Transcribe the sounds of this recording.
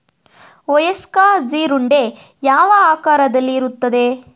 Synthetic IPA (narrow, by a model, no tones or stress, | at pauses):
ɔjɐskaːd͡ʒiːɾuɳɖe̞ | jaːʋɐaːkaːɾɐd̪ɐlːiːɾut̪ːɐd̪e̞